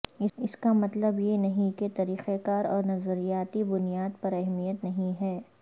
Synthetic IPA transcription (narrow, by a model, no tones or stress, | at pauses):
ɪɪskamɐt̪ləbjenɐɦĩket̪ɐɾiːqekaːɾɔːɾnɐzəɾijaːt̪ibʊnijaːd̪pɐɾɐɦmijət̪nɐɦĩɦɛː